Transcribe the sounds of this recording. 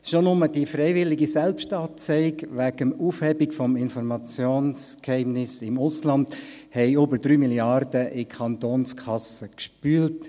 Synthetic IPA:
ʃonʊmədifrɛɪvɪlɪɡisɛlpʃtɑːt͡sɛɪkʋæɡ̥əmuːfhɛbɪkfɔmɪnfɔɾmɑt͡sjoːnskhɛɪmnɪsɪmʊslɑnd | hɛɪøbəɾd̥ɾyːmiljɑrd̥əʔɪkʰɑnt̪oːnskʰɑsəkʃpyːlt

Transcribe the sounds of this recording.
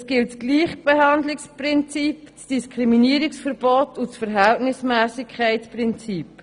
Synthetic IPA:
sɡ̥ɪltsɡ̥liːχb̥eɦɑndlɪkspɾɪnt͡sipt͡sd̥iskʰɾiminiːəɾɪksfəɾb̥ɔtʰut͡sfəɾɦæltnɪsmæːsɪkʰχɛɪtspɾɪnt͡siːp

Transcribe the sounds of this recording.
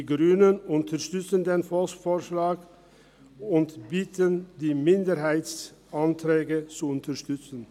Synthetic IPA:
iɡʁyːnənʔʊntʰəʁʃtʏt͡səndeːnfɔlsfoːʃlaːk | ʊntbiːtəndiːmɪndəʁɦaɪs | ʔantʁɛːɡət͡suʊntəʃtʏt͡sn̩

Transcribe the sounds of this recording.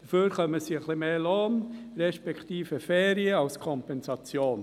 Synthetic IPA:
d̥̪əføːɾχœməsiəχlimeːloːnɾɛʃpɛkʰt̪iːfəfɛːɾiəɑlskʰɔmpɛnsɑt͡sjoːn

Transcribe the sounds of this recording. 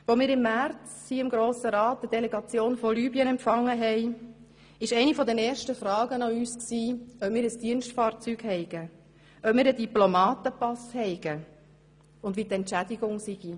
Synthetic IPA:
ʋomiːɾɪmːæɾt͡shiːɪmɡɾoːsəɾɑːt̚dəd̥eleɡɑt͡sjoːnfɔlyːbiənɛmpfɑŋːəɦɛɪ | ɪʃɛɪnifɔd̪ɛnɛːʃtəfrɑːɡənɑyːsksiːœp̚miːɾəsd̥iənstfɑːɾt͡syːɡ̥hɛɪɡ̥ə | œpmiːɾədiplomɑːtəpɑshɛɪɡ̥ə | ʊndʋitɛntt͡ʃædiɡʊŋsiɡ̥i

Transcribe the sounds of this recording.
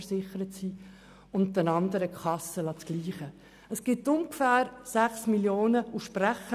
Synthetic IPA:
ɾsɪχəɾətsi | ʊn̚dənɑnd̪əɾəkʰɑsəlɑt͡sɡ̥liːχə | əsɡ̥ɪtːʊŋkfæːɾsæχsmiljoːnəuʃpræχə

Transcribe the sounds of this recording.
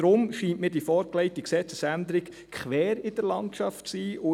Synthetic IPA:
ɾʊmʃiːntmɪːd̥ifɔːɾklɛɪtiksɛt͡səsænd̪ɾɪk | kχʋɛːɾɪd̥əɾlɑntʃɑftsiːʔʊ

